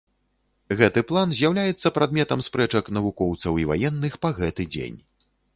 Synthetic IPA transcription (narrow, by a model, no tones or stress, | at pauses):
ɣɛt̪ɨplˠanzʲjawlʲajɛt̪sːɐpɾad̪̚mʲɛt̪ɐmspɾɛt͡ʂɐknɐvukɔwt̪sɐwiva̰jɛnːɨxpaɣɛt̪ɨd͡zʲḛnʲ